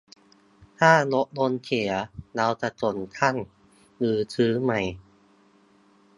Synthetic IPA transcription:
t̪ʰaː˥˩lo˦˥ʔ̚lo˧nkʰe˨˩˦ɐla˧˥wt͡ɕa˨˩t͡ɕo˨˩nk̪ʰa˥˩˨n | lɯː˨˩˦tʰɯː˦˥ma˧˩j

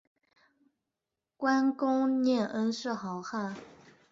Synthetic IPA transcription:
kwa˥nkʊ˥ŋnjɛ˥˩nʔə˥nʂɻ̩˥˩xɑ˧˥ʊxa˥˩

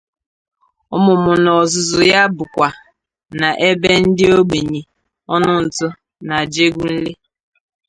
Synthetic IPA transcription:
ʊ˦mʊ˨mʊ˨nɔ˨zʊ˨zʊ˨ja˦bʊ˨kʷa˨ | na˨ʔe˦be˦n̩˦dɪ˦o˦ɡ͡be˨ɲi˨ | ɔ˦nʊ˦n̩˨tʊ˦ | na˨d͡ʒe˦ɡʷu˦n̩˦le˦

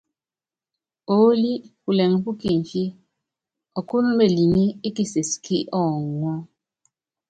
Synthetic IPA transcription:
o˨˦li˦pu˨lɛ˨ŋ˨˦pu˦ki˦˨n˨fje˦ | ɔ˨ku˦nɔ˦be˨li˨mi˦i˦ki˦se˨skʰi˦ʔɔ˦˨ŋwɔ˦

